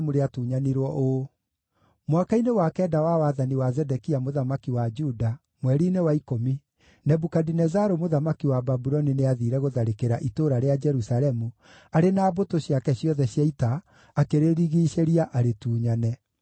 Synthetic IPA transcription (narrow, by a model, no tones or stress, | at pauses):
muɾeatuːɲaniɾwɔʔo | mwakainewakɛːdawawaðaniwazɛdɛkiamoðamakiwad͡ʒuda | mwɛɾiːnewaikomi | nɛbukadinɛzaɾomoðamakiwababuɾɔnineaðiɾɛɣoðaɾekeɾaʔitoɾaɾead͡ʒɛɾusaɾɛmu | aɾenaːbotoɕjakɛɕjɔðɛɕjaitaː | keɾeɾiɣiːʃeɾiaʔaɾetuːɲanɛ